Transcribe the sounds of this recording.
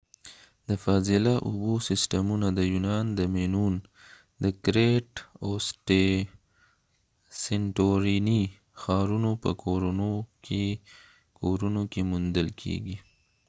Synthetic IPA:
d̪əfɑzɪlaʔubosɪsʈamunad̪əjunɑnd̪əmenun | d̪əkɾeʈosʈe | seɳʈoɾini | xɑɾunopə̰oɾo | kʰoɾunokemund̪əlkʰḛɡi

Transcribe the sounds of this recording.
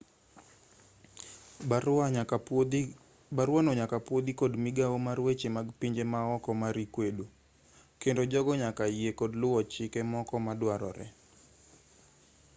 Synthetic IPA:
baɾwanoɲakapwod̪ikodmiɡawomaɾwet͡ʃemaɡpiɲd͡ʒemaɔkɔmaɾikwedo | kendod͡ʒɔɡɔɲakajekodlʊwɔt͡ʃɪkɛmɔkɔmadwaɾɔ̰ɾɛ̰

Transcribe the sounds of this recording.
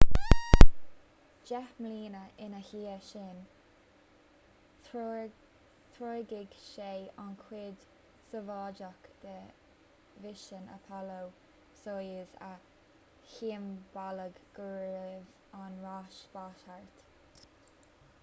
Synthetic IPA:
d͡ʒɛxmliːnəʔɪnəhiːəʃɪn | t̪ʰɹoːɡɪɡ̥ʃeːankʰwɪd̪ | səvɑːd͡ʒakd̪̥ə | vɪʃənə̰pʰɔlow | sojəzə | hiːəmbaləɡɡ̥uːɾəv | anɹaːʃbaʃhaɹt̪

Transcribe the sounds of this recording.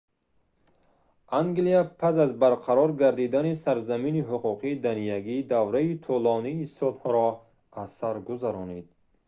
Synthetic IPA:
ʔaŋɡliapʰasazbaɾqʰaɾɔɾɡaɾd̪id̪anisaɾzaminiɦuquqʰiːd̪anijaɡiːd̪avɾait̪ʰulɔniːsɔd̪hɔɾɔ | asaɾɡuzaɾɔned̪̚

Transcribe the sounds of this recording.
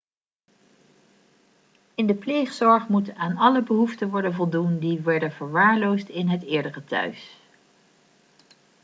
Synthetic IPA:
ɪndəplejχsɔɹχmutaːnɑləbəɦuftənʋɔɹdənvɔlˠdundiʋɛɹdənv̥əɹʋaːɹlowstɪnɦətɪːɹdərətœ̰ɥs

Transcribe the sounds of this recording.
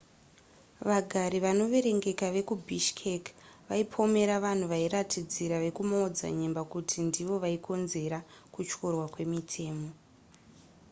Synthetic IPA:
ʋaɡʱaɾiʋano̞ʋe̞ɾe̞ŋɡe̞kaʋe̞kubʱiʃkʰekʋaipʰo̞me̞ɾaʋan̤uʋaiɾatʰid͡ziɾaʋe̞kumaod͡za̰ɲe̞mbakutʰindiʋo̞ʋaiko̞nze̞ɾakut͡ʃko̞rwakwe̞mitʰe̞ːmo̞

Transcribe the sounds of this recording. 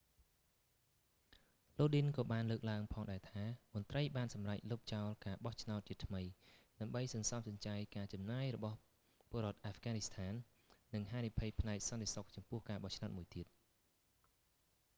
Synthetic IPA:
loːɗinkɑːɓaːnləːk̚laəŋpʰɑːŋɗaɛt̪ʰaːmʊ̆ənt̪rəjɓaːnsɑmrac̚lup̚t͡ɕaɔlkaːɓɑht͡ɕʰnaɔt̪̚t͡ɕiət̪ʰməjɗaəmɓəjsɑnsɑmsɑɲt͡ɕaːjkaːt͡ɕɑmnaːjrɔɓɑh | pŏəɾŏət̪̚ʔaːfɡaːnist̪ʰaːnː | ɨŋɦaːnipʰɨjpʰnaɛk̚sɑnt̪esok̚t͡ɕɑmpʊ̆əhkaːɓɑht͡ɕʰnaɔt̪̚muəjt̪iət̪̚

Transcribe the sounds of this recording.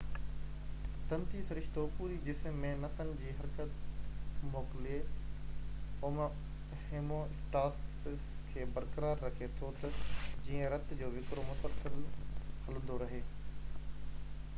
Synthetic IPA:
t̪ɐ̃nt̪isɐɾɪʃt̪opuːɾidɪsmːẽnɐt̪ənɪ̆d͡ʑiːɦɐɾkət̪ | moːkɪlie | ʊm | heːmõɪsʈaːs | kʰeːbɐɾkəɾaːɾːɐkʰet̪ʰot̪ɐd͡ʑiːə̃ɾɐt̪d͡ʑoːʋɪkɾomʊsəlsəlhɐlʊ̃nd̪oɾɐɦeː

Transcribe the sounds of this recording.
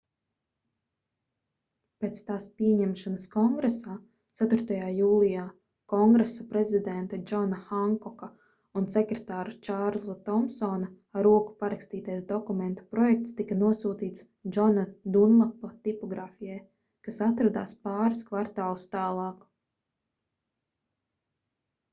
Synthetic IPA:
peːt̪st̪aːspiɛeɲɛmʃanɐskɔŋɡɾesaː | t̪sæt̪ʊɾt̪ajaːjuːlˠijaː | kɔŋɡɾesapɾezid̪ɛnt̪ad͡ʒɔnaxaŋkɔka | unsekɾet̪aːɾut͡ʃaɾzat̪ɔmsɔːnɐ | aɾuɔku̥paɾakst̪iːt̪ajsd̪ɔkumẽnt̪ɐ̥pɾɔjɛk̚t̪st̪ikɐnuɔsuːt̪iːt̪s | d͡ʒɔnad̪unlapːɔt̪ipɔɡɾaːfijɛj | kasat̪ɾad̪aːspaːɾaskvaɾt̪aːlˠust̪aːlˠɑːk

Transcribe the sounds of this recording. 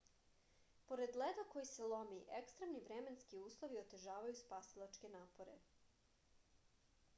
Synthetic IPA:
po̞ɾe̞d̪led̪ako̞jiselˠo̞miʔekst̪ɾemniʋɾeme̞nskiuːslˠoʋiot̪e̞ʒaːʋajuspaːsilˠat͡ʃke̞naːpo̞ɾḛ

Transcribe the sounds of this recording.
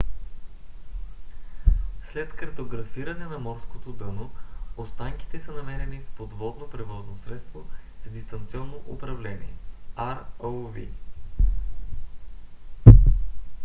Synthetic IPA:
slɛt̪kɐɾt̪oɡɾɐfiɾɐnɛnɐmɔɾskot̪od̪ɤnoost̪aŋk̟i̥t̪ɛsənɐmɛɾɛnispod̪vɔd̪nopɾɛvɔznosɾɛt̪st̪vozd̪ist̪ɐnt̪siɔnːoʔʊpɾɐvlɛnḭɛ̰aɾolˠvḭ

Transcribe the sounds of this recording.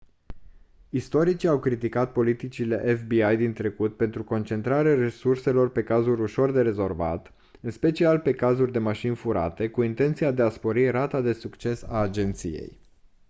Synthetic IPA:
ist̪o̞ɾit͡ʃiawkɾit̪ikat̪̚po̞lit̪it͡ʃile̞ʔefbiajd̪int̪ɾe̞kut̪̚pe̞nt̪ɾuko̞nt͡ʃe̞nt̪ɾaɾeare̞surse̞lo̞rpe̞kazuɾuʃo̞rd̪e̞ɾe̞zo̞rva̰t̪ | ɨnspe̞t͡ʃialpe̞kazurʲd̪e̞maʃinfuɾa̰t̪e̞kuint̪e̞nt̪sijad̪e̞aspo̞ɾirat̪ad̪e̞sukt͡ʃe̞saːd͡ʒe̞nt̪sḭje̞̰j

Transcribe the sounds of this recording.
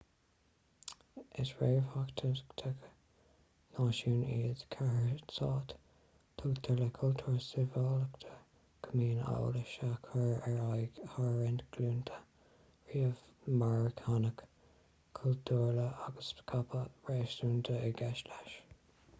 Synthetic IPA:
ɪsɹeːvakt̪ʰət̪ʰək | naːʃuːniːdkʰahəsɑːt̪ | tʰot̪ʰələkʰult̪ʰuːɹsɪvɔːləkt̪ʰə̥ | kʰəmiːna̰wləʃakʰəɹɛɹahaɹɹɛnt̪ɡ̥luːnt̪ʰə̥ | ɹiːəvmaɹɪkʰanək | kʰːult̪ʰuːɹləʔaɡəskʰapʰəɹeːʃtuːnt̪ʰəəɡɛʃlaʃ

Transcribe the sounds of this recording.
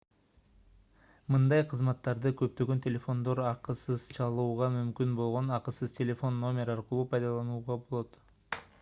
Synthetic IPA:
mɯnd̪ɑjqʰɯzmɑt̪ːɑɾd̪ɯkø̞p̚t̪ø̞ɡønt̪ʰʲelʲe̞fo̞nd̪o̞ɾɑqɯsɯz̥t͡ʃʰɑlˠuːʁɑmymkynbo̞lˠʁo̞nɑqəsɯz̥tʲelʲe̞fo̞nːo̞mʲe̞ɾɑɾqɯlˠuːpʰɑjd̪ɑlˠɑnuːʁɑbo̞lˠo̞t̪

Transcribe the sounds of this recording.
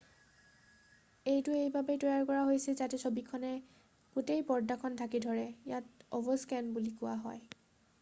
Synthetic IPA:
ejtʊejbabetɔjaɹkɔɹaɦojsizatɛsobikʰːɔnɛ | ɡ̥utejpɔɹdakʰɔntʰakidʱɔɹɛjatɔbɔskɛnbulikʊwa̰ɦɔ̰j

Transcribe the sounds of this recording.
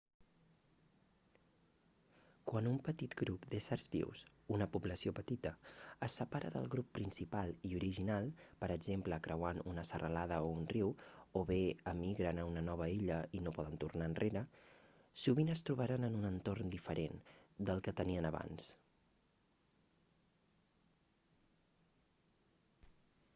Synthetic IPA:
kwanumpət̪it̪ɡɾupd̪esəɾzβḭws | unəpubləsiopət̪it̪əəsːəpaɾə̰ðə̰lˠɣɾupːɾinsipalˠiuɾiʒinalˠpəɾəɡzempləkɾəwanunəsərəlaðəounriwoβeəmiɣɾənəunənɔβəiʎəinopɔðənt̪urnaənrʔeɾə | suβinəst̪ɾuβ̞aɾanənunənt̪ornd̪ifəɾend̪əlˠkət̪əniənəβa̰ns

